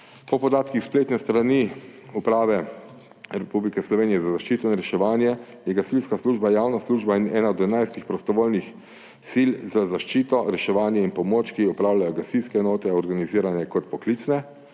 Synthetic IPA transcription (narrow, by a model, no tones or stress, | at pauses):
pɔpɔd̪aːt̪kixspleːt̪nɛst̪ɾaniupɾaːʋɛ | ɾɛpublikɛslɔʋeːnijɛzazaʃt͡ʃiːt̪ɔinɾɛʃɛʋaːnjɛ | jɛɡasilskasluːʒbajaːwnasluːʒbainɛːnaɔd̪ɛnajst̪ixpɾɔst̪ɔʋoːlnix | silzazaʃt͡ʃiːt̪ɔɾɛʃɛʋaːnjɛinpɔmoːt͡ʃkiɔpɾaːwlajɔɡasilskɛɛnoːt̪ɛɔɾɡaniziːɾanjɛkɔt̪pɔkliːt͡ʃnɛ